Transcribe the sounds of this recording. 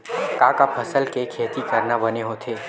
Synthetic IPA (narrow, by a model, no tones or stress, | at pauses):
kakapʰəsəlkekʰeːt̪ikəɾnabəneɦot̪ʰeː